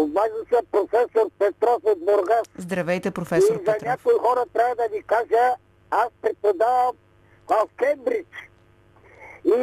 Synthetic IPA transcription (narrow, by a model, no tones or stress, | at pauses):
obvaʒisɐpɾofɛsoɾpɛt̪ɾɔfod̪boɾɡaszd̪ɾɐvɛjt̪ɛpɾofɛsizɐnʲakoixɔɾɐt̪ɾʲavɐd̪ɐvikaʒə | aspɾɛt̪̚pod̪avəm | vafkɛmbɾit͡ʃ | i